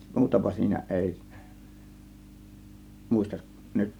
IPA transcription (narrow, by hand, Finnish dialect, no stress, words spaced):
muːtɑpɑ siːnæ ʔeˑi muˑistɑʔ nyt